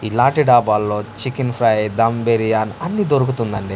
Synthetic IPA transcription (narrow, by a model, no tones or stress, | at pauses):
ilaːɳʈiɖaːbaːlːo̞ːt͡ʃikinpʰɾɐjd̪ɐmbeɾijaːnɐnːid̪oɾukut̪und̪ɐɳɖi